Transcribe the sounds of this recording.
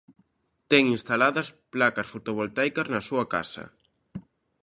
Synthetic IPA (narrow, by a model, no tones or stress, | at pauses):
t̪ɛŋinst̪alaðɐsplakɐsfot̪oβ̞olt̪ajkɐznɐsuɐka̰sɐ̰